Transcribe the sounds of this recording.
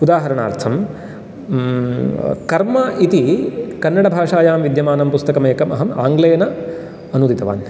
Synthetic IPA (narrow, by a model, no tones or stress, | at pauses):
ud̪aːɦɐɾɐɳa̰ːɾt̪ʰɐm | kɐɾmɐʔit̪ikɐnːɐɽɐbʱaːʂaːjaːmʋid̪jɐmaːnɐmpust̪ɐkɐmeːkɐmɐ̰ɦɐma̰ːŋɡlɐjɐnɐ | ɐnud̪it̪ɐʋa̰ːn